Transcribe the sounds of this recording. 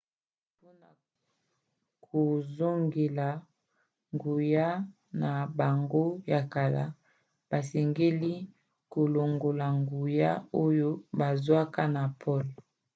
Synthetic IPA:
po˦na˨ | kʰo˨zo˦ŋɡe˨la˨ | ŋɡu˨ja˦ | na˨ba˨ŋɡo˦ja˨ka˨la̰˦ | b̥a˨se˨ŋɡe˦li˦ | ko˨lo˨ŋɡo˨la˨ŋɡu˨ja˦o˦jo˦ba˨zwa˦ka˦na˨pʰɔ˦˨l

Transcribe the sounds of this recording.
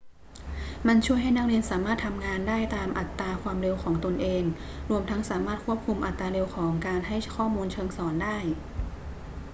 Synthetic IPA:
ma˧nt͡ɕʰu˥˩jɦa˥˩jna˥k̚li˧ənsaː˩˦maː˥˩t̪ʰa˧mŋaː˧ndaː˥˩jt̪aː˧mʔa˨˩t̪ːaː˧kʰwaː˧mɾe˧wkʰɔː˩˦ŋt̪o˧nʔeː˧ŋ | ɾu˧əmt̪ʰa˦˥ŋsaː˩˦maː˥˩t̪̚kʰu˥˩əp̚kʰu˧mʔa˨˩t̪ːaː˧ɾe˧wkʰɔː˩˦ŋkaː˧nɦa˥˩jkʰɔː˥˩muː˧nt͡ɕʰɤː˧ŋsɔː˩˦ndaː˥˩j

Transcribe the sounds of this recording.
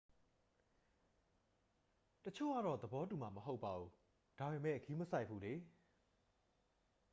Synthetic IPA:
tət͡ɕʰo̰˦˨ɡa̰˦˨ɾɔ˦˨d̪ə˨bɔ˦tu˨ma˨məɦo˦ʊpːa˨ʔu˨ | d̥a˨be˨mɛ̰˦˨ʔkʰi˦məsa˦ɪʔpʰːu˦d̪e˨

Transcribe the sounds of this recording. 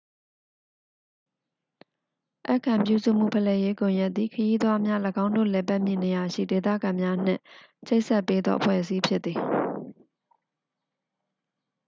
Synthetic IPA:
ʔa̰˦ʔkʰã˨mp̬jṵ˦˨zṵ˦˨m̥ṵ˦˨pʰə˨lɛ˨je˦kõ˨ja˦t̪t̪ːði˨kʰəji˦d̪wa˦mja˦ləɡã˦ʊ̃ndo̰˦˨lɛ˨pa˦ʔm̥jɪ̃˦˨ne˨ja˨ʃḭ˦˨de˨t̪ä̰˦˨ɡã˨mja˦n̥ɪ̰̃˦˨ | t͡ɕʰe˦ʔsɛ˦ʔpːe˦d̪ðɔ̰˦ʔəpʰwɛ̰˦˨ʔəsi˦pʰjɪ˦t̪t̪ːi˨

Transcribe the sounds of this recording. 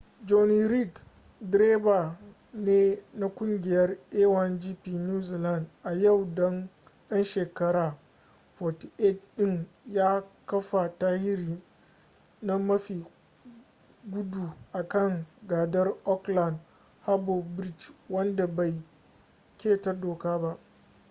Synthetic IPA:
d͡ʒo˨ni˨ɾi˦˨t | dɾeː˦ba˨ | neː˦na˦kʷʊ˦ŋɡʲɪ˨jɐ˦rʔeː˦wɐ˨nd͡ʒiː˦piː˨njuː˦zi˨la˦ndʔa˨jɐ˦˨wdɔ˦ŋ | jɐ˦nʃeː˨kɐ˦ɾaː˨ | fɔ˨tʔe˦˨tɗɪ˦ŋ | jaː˦kɐ˦ɸa˨taː˦hɪ˦ɾiː˨ | na˦mɐ˦ɸiː˨ | ɡʷʊ˦duː˨ʔa˨kɐ˦˨ŋɡaː˨dɐ˦rʔɔ˦kla˨nd | ha˦bo˨bɾi˦˨t͡ʃwɐ˦nda˨ba˨j | kʲeː˦˨tɐ˦rdoː˨kaː˦ba˦ʔ

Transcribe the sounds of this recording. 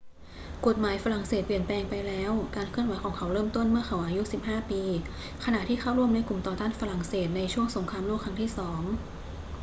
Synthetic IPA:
ko˨˩t̪̚maː˩˦jfa˧ɾa˨˩ŋseː˨˩t̪̚pli˨˩ənplɛː˧ŋpa˧jlɛː˦˥wkaː˧nkʰɯ˥˩ənwa˩˦jkʰɔː˩˦ŋkʰa˩˦wɾɤː˥˩mt̪o˥˩nmɯ˥˩əkʰa˩˦wʔaː˧ju˦˥si˨˩p̚haː˥˩piː˧ | kʰa˧na˨˩ʔt̪ʰiː˥˩xʰa˥˩wɾu˥˩əmna˧jku˨˩mt̪ɔː˨˩t̪aː˥˩nfa˧ɾa˨˩ŋseː˨˩t̪̚na˧jt͡ɕʰu˥˩əŋso˩˦ŋkʰaː˧mluː˥˩kʰɾa˧˥ŋt̪ʰiː˥˩sɔː˩˦ŋ

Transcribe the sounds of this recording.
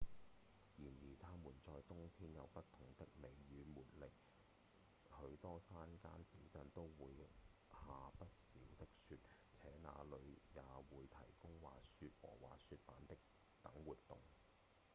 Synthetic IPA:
jiː˨˩njiː˨˩t̪ʰaː˥muː˨˩nt͡sɔː˧jt̪ʊ˥ŋt̪ʰiː˥njɐ˨˧wpɐ˥t̚t̪ʰːʊ˨˩ŋt̪ɪ˥k̚me˨˧jɥyː˨˧muː˨t̚lɪ˨k̚ | hɵ˨˧˥ɥt̪ɔː˥saː˥nkaː˥nt͡siː˨˥wt͡sɐ˧nt̪o˥wwuː˨˧j | haː˨pɐ˥t̚siː˨˥wt̪ɪ˥k̚syː˧t̚ | t͡sʰɛː˨˥na̰ː˨˧lɵ˨˧ɥjaː˨˧wuː˨˧jt̪ʰɐ˨˩jkʊ˥ŋwaː˨syː˧t̚wɔ̰ː˨˩wa̰ː˨sy˧t̚paː˨˥nt̪ɪ˥k̚ | t̪ɐ˨˥ŋwuː˨t̚t̪ʊ˨ŋ

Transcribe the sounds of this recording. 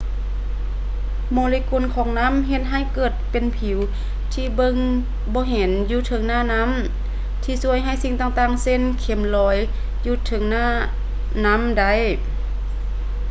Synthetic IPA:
moː˧liː˧ko˧˨nkʰɔː˨˩˦ŋna˧˥˨mɦe˧˦t̪̚ɦa˧˩˨jkɤː˨˩t̪̚pe˨npʰi˨˩˦w | t̪ʰiː˧bɤ˧˨ŋ | bɔː˧˦ɦe˨˦njuː˧t̪ʰɤ˧˦ŋnaː˧˩˨na˧˥˨m | t̪ʰiː˧su˧əjɦa˧˩˨jsi˧˨ŋt̪aː˧˨ŋt̪aː˧˩ŋse˧˥˨nkʰe˧˩˦mlɔː˧˦j | juː˧t̪ʰɤ˨˩˦ŋnaː˧˥˩ | na˧˥˨mda˧˩˨j

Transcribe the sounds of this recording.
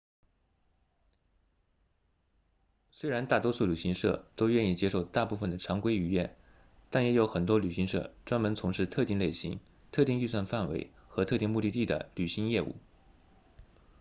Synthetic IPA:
swe˥ɪɻa˧˥nt̪a˥˩t̪wɔ˥su˥˩ly˨˩ɕi˧˥ŋʂɤ̰˥˩t̪o˥ʊɥɛ˥˧ni˥˩t͡ɕjɛ˥ʂo˥˧ʊt̪a˥˧pu˥˩fə˩nd̪ə˩ʈ͡ʂʰɑ˧˥ŋkwe˥ɪy˧˥jɛ̰˥˩n | t̪a˥˩njɛ˧˥jo˧˥ʊxə˨˩nt̪wɔ˥ly˨˩ɕi˧˥ŋʂɤ̰˥˩ʈ͡ʂwa˥nmə˧˥nt͡sʰʊ˧˥ŋʂɻ̩˥˧t̪ʰɤ˥˧t̪i˥˩ŋle˥˩ɪɕḭ˧˥ŋ | t̪ʰɤ˥˧t̪i˥˧ŋy˥˧s̬wa˥˧nfa˥˩nwḛ˧˥ɪxɤ˧˥t̪ʰɤ˥˧t̪i˥˧ŋmu˥˧t̪i˥˧t̪i˥˩d̪ə̰˩ly˨˩ɕi˧˥ŋjɛ˥˧ṵ˥˩

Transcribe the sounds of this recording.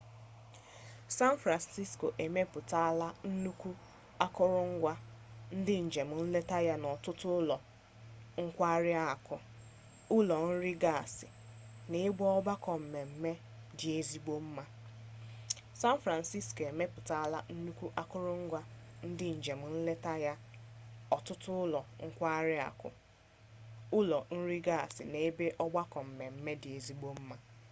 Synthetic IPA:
sa˦n˦fɾa˨nsi˦sko˨ʔe˨me˦pʊ˨ta˦a˦˨la˦n̩˦nu˦kʷu˦ | a˦kʊ˦ɾʊ˦ŋ̩˦ɡʷa˦n̩˦dɪ˦n̩˨d͡ʒe˨m̩˨n̩˦le˦ta˦ja˦nɔ˨tʊ˦tʊ˦ʊ˦lɔ˨ | ŋ̩˦kʷa˦ɾɪ˦a˦˨a˨kʊ˨ | ʊ˦lɔ˨n̩˦ɾɪ˦ɡa˦˨a˨sɪ˨ | ne˨˦ɡ͡bʷɔ˦ɔ˦ba˦kɔ˨m̩˨me˨m̩˨me˦ | dɪ˨e˨zi˦ɡ͡bo˦m̩˦ma˦ | sa˦n˦fɾa˨n˨si˦sko˨e˨me˦pʊ˨ta˨a˨la˦n̩˦nu˦kʷu˦ʔa˦kʊ˦ɾʊ˦ŋ̩˦ɡʷa˦n̩˦dɪ˦n̩˨d͡ʒe˨m̩˦n̩˦le˦ta˦ja˦ | ɔ˨tʊ˦tʊ˦ʊ˦lɔ˨ŋ̩˦kʷa˦ɾɪ˦a̰˨kʊ̰˨ | ʊ˦lɔ˨n̩˦ɾi˦ɡa˦˨sɪ̰˨ne˨e˦be˦ʔɔ˦ɡ͡ba˦kɔ˨m̩˨me˨m̩˦me˦dɪ˨e˨zi˦ɡ͡bo˦m̩˦ma˦

